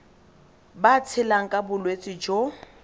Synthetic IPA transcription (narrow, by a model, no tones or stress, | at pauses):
bat͡sʰɪlaŋ̩kʼabʊlwet͡sʼɪd͡ʒo